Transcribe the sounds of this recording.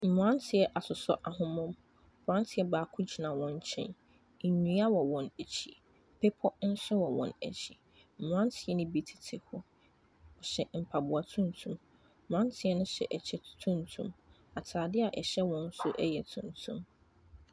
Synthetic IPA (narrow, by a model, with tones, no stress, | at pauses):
m̩˨m˨ã˦ntʰɪ˨ɛ˦ʔa˨sʊ˨sɔ̰˦ʔa˨ɦʊ̃˦mʊ̃˦m̩˨ | bã˦n˦tʰɪ˨ɛ˦baː˨˦kʰʊ̃˦d͡ʑi˨nã˨wɔ̃˨ɲ˦t͡ɕʰɛ̰̃˦n̩˨ | ɲũ˨˦a˦wɔ˨wɔ̃˨næ˨t͡ɕʰi˨ | pʰe˦pʰɔ˦n̩˦sʊ˦wɔ˨wɔ̰̃˨næ̰˨t͡ɕʰi˨ | m̩˨m˨ã˦ntʰɪ˨ɛ˦nɪ̃˦bi˨tʰɪ̥˨tʰɪ˨hʊ˦ | ɔ˨ɕɛ˨m̩˨pʰa˨bʊ˨a˨tʰũ˦n˨tʰũ˨m̩̃˨ | ã˦n˦tʰɪ˦ɛ˦nʊ̃˦ɕɛ̰˨ʔɛ˨t͡ɕʰɛ˦tʰũ˦n˨tʰṵ̃˨m | a˨tʰaː˨dɪ˦a˨ʔɛ˨ɕɛ˦wɔ̃˦n̩˦sʊ˦ʔɛ˦jɛ˨tʰũ˨ntʰṵ̃˦m